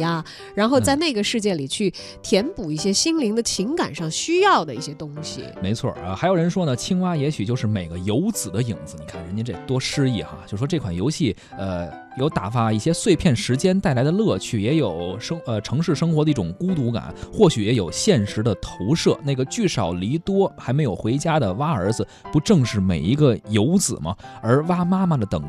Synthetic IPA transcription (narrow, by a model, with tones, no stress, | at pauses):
ja˧ | ɻa˧˥nxo˥˧ʊt͡sa˥˧ɪna˥˩ɪɡə˩ʂɻ̩˥˧t͡ɕjɛ˥˩li˨˩t͡ɕʰy˥˩ | t̪ʰjɛ˧˥npu˨˩i˥˩ɕjɛ˥ɕi˥ŋli˧˥ŋd̪ə˧t͡ɕʰi˧˥ŋka̰˨˩nʂɑ˥˧ŋɕy˥jɑ˥˩ʊd̪ə˩i˥˩ɕjɛ˥t̪ʊ˥ŋɕḭ˨˩me˧˥ɪt͡sʰwɔ̰˥˩ə˧˩xa˧˥ɪjo˨˩ʊɻə˧˥nʂwɔ˥nə˨t͡ɕʰi˥ŋwa˥jɛ˧˥ɕy˨˩t͡ɕjo˥˧ʊʂɻ̩˥˩me˨˩ɪɡə˦jo˧˥ʊt͡sɹ̩˨˩d̪ə˦i˨˩ŋd͡zɹ̩˦ni˨˩kʰa˥˩nɻə˧˥t͡ɕjɛ˥ʈ͡ʂe˥˩ɡt̪wɔ˥ʂɻ̩˥i˥˩xa̰˧˩t͡ɕjʂ̩˥˩ʂɔ˥ʈ͡ʂe˥˩kʰwa˨˩njo˧˥ʊɕi˥˩ | ə˧ | jo˧˩ʊt̪a̰˨˩fa˥i˥˩ɕjɛ˥swe˥˧ɪpʰjɛ˥˩nʂɻ̩˧˥t͡ɕjɛ˥nt̪a˥˩ɪla˧˥ɪd̪ə˧lɤ˥˧t͡ɕʰy˥˩jɛ˧˥jo˨˩ʊʂɤ˥ŋə˧ʈ͡ʂʰɤ˧˥ŋʂɻ̩˥˧ʂɤ˥ŋxwɔ˧˥d̪ə˧i˥˩ʈ͡ʂʊ˨˩ŋku˥t̪u˧˥ka̰˨˩˦nxwɔ˥˩ɕy˨˥jɛ˧˥jo˨˩ʊɕjɛ˥˩nʂɻ̩˧˥d̪ə˧t̪ʰo˧˥ʊʂɤ˥˧˩na˥˩ɡə˩t͡ɕy˥˩ʂɑ˨˩ʊli˧˥t̪wɔ˥xa˧˥ɪme˧˥ɪjo˨˩ʊxwe˧˥ɪt͡ɕja˥d̪ə˨wa˥ə˞˧˥d͡zɹ̩˧pu˧˥ʈ͡ʂɤ˥˧ŋʂɻ̩˥˩me˨˩ɪi˧˥ɡə˧jo˧˥ʊt͡sɹ̩̰˨˩mɐ̰˦ə˞˧˥wa˥ma˥ma˨d̪ə˩t̪ɤ̰˨˩˦ŋ